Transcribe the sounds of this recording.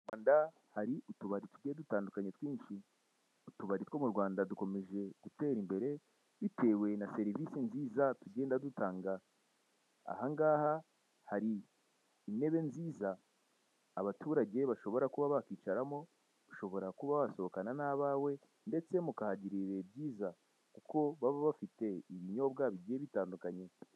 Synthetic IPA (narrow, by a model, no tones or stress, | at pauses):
waːnda | haɾiʔutuβaɾituɟedutaːndukaɲetwiːnʃi | utuβaɾitwo̞muɾɡwaːndaduko̞me̞ʒe̞ɡ̥ute̞ːɾimbe̞ɾe̞ | βite̞ːwe̞nase̞ɾivisinziːzatuɟe̞ːndadutaːŋɡa | a̰haŋɡaːha | haɾiː | ne̞βe̞nziːzaː | βatuːɾaɟe̞βaʃo̞βo̞ɾakuβaβakiːt͡ʃaɾamo̞ | duʃo̞βo̞ɾakuβaβaso̞βokananaβaːwe̞ | nde̞t͡se̞mukahaɟiɾiɾe̞bɟiːza | kuko̞βaβaβafite̞iβiɲo̞bɡaβiɟieβitaːndukaɲe̞